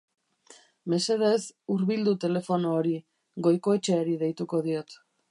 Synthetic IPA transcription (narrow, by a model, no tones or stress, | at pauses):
me̞se̞ðe̞suɾβild̪ut̪e̞le̞fo̞noːɾi | ɣo̞jko̞e̞t͡ʃe̞aɾiðe̞jt̪uko̞ðio̞t̪